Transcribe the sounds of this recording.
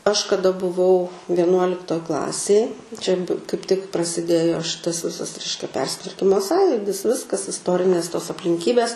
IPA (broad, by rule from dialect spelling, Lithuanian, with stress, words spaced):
ɐʃ kɐˈdɐ bʊˈʋɐʊ ʋʲiɛˈnuɔlʲɪktoːj ˈklˠɑːsʲeːj t͡ʃʲɛ kɐɪp tʲɪk prɐsʲɪˈdʲeːjoː ˈʃʲɪtɐs ˈʋʲɪsɐs ˈrʲɛɪʃʲkʲɛ ˈpʲɛrʲsʲɪtʋɐrʲkʲɪmoː ˈsɑːjʊdʲɪs ˈʋʲɪskɐs ɪsˈtoːrʲɪnʲeːs toːs ɐpʲlʲɪŋʲˈkʲiːbʲɛs